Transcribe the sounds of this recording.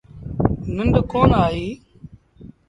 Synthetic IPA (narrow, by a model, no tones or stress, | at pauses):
nəɳɖkoːnaːɦiː